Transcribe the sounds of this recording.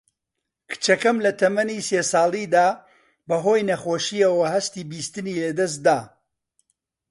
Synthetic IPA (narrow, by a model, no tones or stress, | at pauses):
kʰɨ̥t͡ʃɐkɐmlɐt̪ʰɐmɐniːseːsɑːlˠid̪aː | bɐɦo̞ːjnɐχoːʃiɐwɐɦɐst̪iːbiːst̪ɨniːlɐd̪ɐs̬t̪̚d̪aː